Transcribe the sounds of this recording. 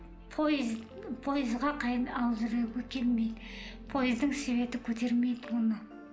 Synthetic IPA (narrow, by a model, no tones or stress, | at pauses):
pʰoz | pʰo̞jɪzʁɑqʰɑjənɑwzɾeɡʲekʲʰelme̞jd̪ɪ | pʰo̞jɪzd̪ɪŋse̞βe̞t̪ɪkʲʰɵt̪e̞ɾme̞jd̪ɪwonə